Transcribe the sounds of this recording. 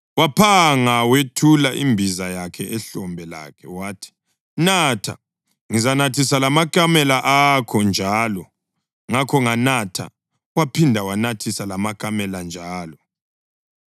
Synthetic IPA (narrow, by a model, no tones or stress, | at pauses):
wapʰaŋawetʰulaʔimbʱizajakʰɛʔɛɬɔmbʱɛla̰kʰɛwaːtʰi̥ | natʰa̰ | ŋizanatʰisalamakʼamɛlaʔakʰɔnd͡ʒʱaːlɔ | ŋakʰɔŋanatʰa̰ | wapʰindʱawanatʰisalamakʼamɛland͡ʒʱaːlɔ